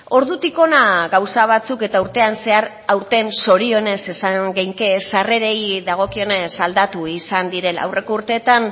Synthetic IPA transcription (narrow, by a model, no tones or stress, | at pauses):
o̞ɾðut̪iko̞naɣawsaβ̞at͡suke̞t̪auɾt̪e̞anse̞aɾ | awɾt̪e̞nso̞ɾio̞ne̞se̞saŋɡejŋkesare̞ɾejðaɣ̞o̞kio̞ne̞sald̪at̪uisand̪iɾe̞la̰wre̞kouɾt̪e̞ːt̪an